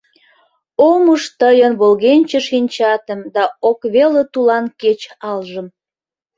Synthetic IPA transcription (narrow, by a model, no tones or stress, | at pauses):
oməʃt̪əjənβolɣenʲt͡ɕəʃinʲt͡ɕɑt̪ə̆md̪ɑokβelət̪ulɑnket͡ɕɑlʒəm